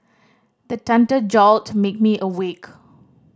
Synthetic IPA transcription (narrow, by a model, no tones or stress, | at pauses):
d̪ətɛ̃ntəd͡ʒɔltmek̚miʔəwek